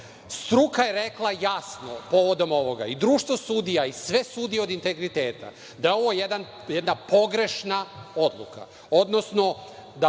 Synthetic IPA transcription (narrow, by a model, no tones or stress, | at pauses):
st̪ɾukaje̞ɾeklˠajasnopo̞ʋo̞d̪o̞mo̞ʋo̞ɡa̰id̪ɾuːʃt̪ʋosud̪ijaisʋe̞suːd̪io̞d̪int̪e̞ɡɾit̪e̞ːt̪a̰ | d̪ajeo̞ʋo̞jed̪an | jɛd̪napo̞ɡɾe̞ʃnao̞d̪lˠṵka̰ | o̞d̪no̞sno̞d̪a